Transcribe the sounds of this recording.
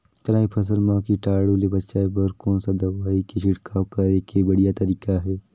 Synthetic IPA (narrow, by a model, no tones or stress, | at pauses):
t̪ɐɾaːipʰɐs̬əlmãːkiʈaːɽulebɐtːʃaːebəɾkɔːnsad̪ɐʋaːikiʃɪɽkakɐɾekebɐɽijat̪ɐɾiːkaɦɛː